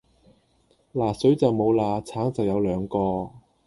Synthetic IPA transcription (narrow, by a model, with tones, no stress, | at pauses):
laː˨˩sɵ˨˥ɥt͡sɐ˨wmo˨˧wlaː˧t͡sʰaː˨˥ŋt͡sɐ˨wjɐ˨˧wlœː˨˧ŋkɔː˧